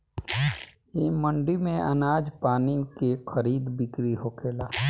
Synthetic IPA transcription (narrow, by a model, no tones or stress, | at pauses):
eːmə̃ɳɖimẽʔə̰naːd͡ʒpaːnikexʰəɾiːd̪bɪkɾiɦoːkeːlaː